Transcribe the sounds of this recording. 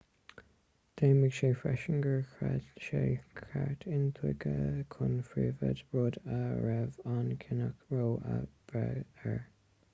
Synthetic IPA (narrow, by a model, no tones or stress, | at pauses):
d̪̥eːməɡ̥ʃeːfɹɛʃəŋɡəɹkɹɛdʃeːkʰaɹtʰɪnt̪ʰwɪɡəkʰʊnfɹiːvəd̪ɹod̪əɹɛvɑnkʰɪnəkɹoːə̰b̥ɹɛɛɹ